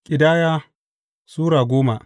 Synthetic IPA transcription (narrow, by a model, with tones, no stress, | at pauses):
kʲʼɪ˨daː˦jaː˦ | suː˦ɽaː˨ɡʷoː˦ma˨